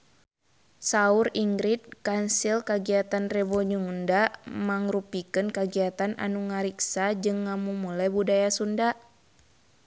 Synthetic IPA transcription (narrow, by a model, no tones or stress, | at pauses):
sauɾiŋɡɾit̪̚kansilkaɡiat̪anrɛbɔɲuŋndaʔmaŋrupikɨnkaɡiat̪ana̰nuŋaɾiksad͡ʒɨŋːamumulɛbudajasundaʔ